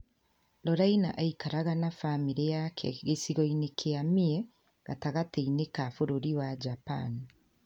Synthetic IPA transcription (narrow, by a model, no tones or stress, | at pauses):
lɔɾainaʔaikaɾaɣanafamiɾejakʰɛ̰ɣesiɣɔinekʰeamiɛ | ɣa̰taɣateinekafoɾoɾiwad͡ʒapa̰ni